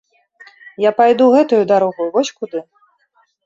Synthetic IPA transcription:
japajd̪uɣɛt̪ujud̪aɾɔɣujvɔsʲkud̪ɨ

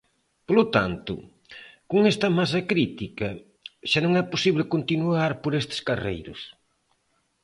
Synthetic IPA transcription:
polʊt̪a̰nt̪ʊ̰ | koŋɛst̪ɐmas̬ɐkɾit̪ikɐ | ʃanõŋɛposiβlɪkont̪inuaɾpoɾest̪ɪ̥skarḛjɾʊs

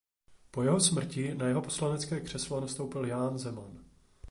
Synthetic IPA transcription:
po̞jɛɦo̞smr̩cɪnajɛɦo̞po̞slanɛt͡skɛːkr̥ɛslonast̪o̞wpɪljaːnzɛman

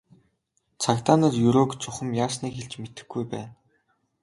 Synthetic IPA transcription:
t͡sʰakt̪aːnə̆t̪jɵɾoːkt͡sʰʊχə̆mjaːsniːkxeɮt͡ɕmet̪ɘ̆xɡujpæ̰ːn

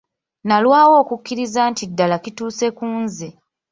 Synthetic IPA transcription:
nalwaːwo̞ːkukːiɾizantidːalakituːse̞kuːnze

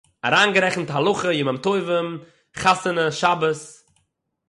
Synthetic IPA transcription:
a̰ɾaːnɡəɾɛχn̩tɦalˠʊχəjɪmamtoɪvəm | χasənəʃabəs

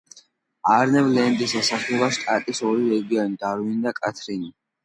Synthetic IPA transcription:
aɾnɛvlɛnd̪isɛsaχlɛbaʃt̪ʼat̪ʼisɔɾiɾɛɡiɔnid̪aɾwinid̪akʼat̪ʰɾini

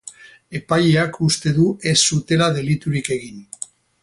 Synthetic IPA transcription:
e̞pajeakust̪e̞ðue̞sːut̪e̞laðe̞lit̪uɾike̞ɣ̞in

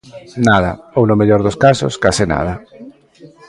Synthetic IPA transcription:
nað̞ɐownʊmeʎɔɾðʊskasʊ̰skasɪna̰ð̞ɐ

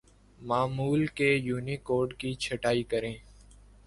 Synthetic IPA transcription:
maːmuːlkejuːnikoːɾɖkit͡ʃʰɐʈaːikəɾẽː

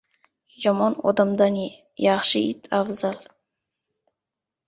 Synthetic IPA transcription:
jɒmɒnɒ̰d̪amd̪an | jaχʃɪit̪ʰafzal

